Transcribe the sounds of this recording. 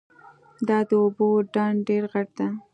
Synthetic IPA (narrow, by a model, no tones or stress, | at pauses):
d̪ɑd̪əoboɖɑɳɖeɾɣaʈ̚d̪a